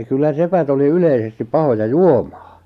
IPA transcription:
kylːæ sepæt oli yleisestip pɑhojɑ juomɑ̥ː

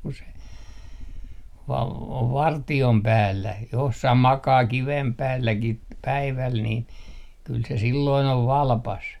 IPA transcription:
ku se o oʋ ʋɑrtiom pæːlːæ josːɑh mɑkɑː kiʋem pæːlːæki t pæiʋæl niːn kyl se silːoin oʋ ʋɑlpɑs

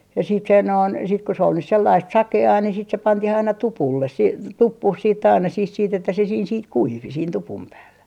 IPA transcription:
jɑ siːt se noin sit ko se ol nys selːɑist sɑkeɑː ni sit se pɑntih ɑinɑ tupulːes siː tupːuh siːt ɑinɑ sih siːt etːæ se siːn sit kuiʋi siːn tupum pæːlːæ

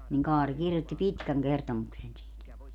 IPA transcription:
niŋ kɑːri kirjotːi pitkæŋ kertomuksen siːt

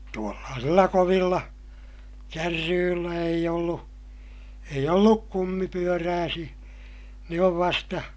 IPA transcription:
tuolːɑːsilːɑ koʋilːɑ kærːyːlːæ eij olːu eij olːuk kumːipyøræːsij̆æ ne oʋ ʋɑstɑ

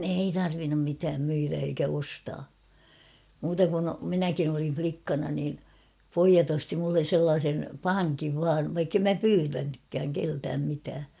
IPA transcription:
ei tɑrʋinːum mitæːm myiræ eikæ ostɑː muːtɑ kun minækin olin̞ʲ flikːɑnɑ niːn̞ poijɑt osti mulːen̞ selːɑːsen pɑŋkiʋ ʋɑːʋ ʋɑikːem mæ pyːtænykːæːŋ keltæːm mitæː

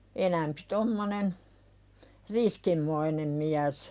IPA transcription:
enæmpi̥ tomːonen riskimːoinem miæs

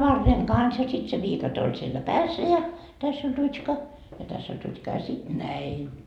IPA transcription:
ʋɑrːeŋ kɑns jɑ sit se ʋiːkɑte olʲ sielːæ pæːsːæ jɑ tæsː olʲ rutʲʃkɑ jɑ tæsː olʲ rutʲʃkɑ jɑ sit næin

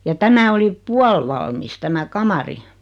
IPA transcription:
jɑ tæmæ oli puɑlʋɑlmis tæmæ kɑmɑri

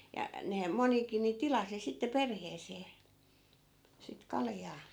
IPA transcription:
jɑ nehæm monikin ni tilɑsi sitːe perheːseː sit kɑljɑː

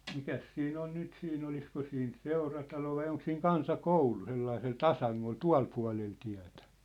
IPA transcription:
mikæs siːn on nyt siːn olisko siːn seurɑtɑlo ʋɑi oŋk siːŋ kɑnsɑkoulu selːɑisel tɑsɑŋːol tuɑ̝l puɑ̝lel tiæ̝tæ̥

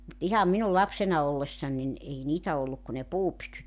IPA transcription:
mut ihɑm minul lɑpsenɑ olːesːɑn nin ei niːtæ olːuk ku ne puːpytyt

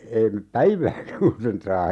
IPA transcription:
ei mep pæiʋæːkæ kun sen sɑː

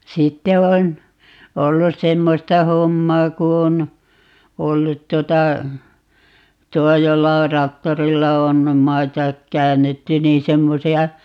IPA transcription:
sitːe on olːus semːostɑ homːɑː ku on olːut tuotɑ tuo jolːɑ or rɑktorilːɑ on mɑitɑ kæːnːetːy niːn semːosiɑ

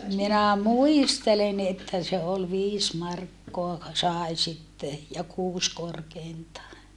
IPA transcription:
minæ muistelen etːæ se ol ʋiːs mɑrkːoɑ sɑˑi̯ sitːe jɑ kuːs korkeintɑː

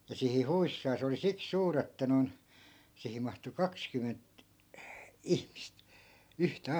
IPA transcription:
jɑ sihi huisːɑː se oli siks suːr etːæ non sihim̆ mɑhtu kɑkskymːent ihmist yhtæ

